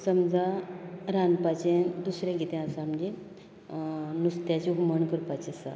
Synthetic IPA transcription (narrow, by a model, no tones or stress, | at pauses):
səmd͡zaɾanpat͡ɕend̪usɾjẽɡit̪ɛ̃asãmd͡ʑi | nust̪jat͡ɕiɦuməɳkəɾpat͡ɕisa̰